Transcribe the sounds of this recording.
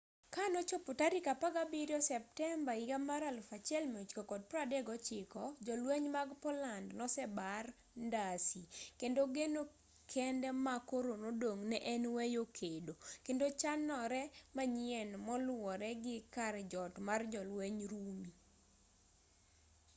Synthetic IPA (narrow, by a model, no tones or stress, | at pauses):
kanɔt͡ʃopotaɾikapaɡabiɾjɔsɛp̚tɛmbaiɡamaɾalfat͡ʃɪɛlmeut͡ʃkokɔd̚pɾadɛɡɔt͡ʃɪkɔd͡ʒɔlweɲmaɡpɔlandnɔsɛbar | ndasikendoɡeno | kʰɛndɛmakoɾonodoŋnɛʔɛnwɛjokʰedokendot͡ʃanɔɾɛmaɲɪɛnmɔlwɔɾɛɡɪkard͡ʒɔtmard͡ʒɔlweɲɾumi